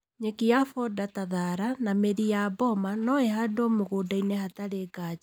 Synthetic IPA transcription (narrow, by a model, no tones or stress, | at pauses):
ɲekiafɔdataðaɾanameðijabɔmanɔehadɔmoɣoːdainɛhataɾeːɡad͡ʒa